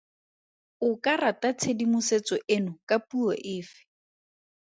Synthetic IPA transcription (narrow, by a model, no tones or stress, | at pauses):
ʊkaratat͡sʰedimʊset͡sɔʔenʊkʼapuɔʔɪːfɪ̥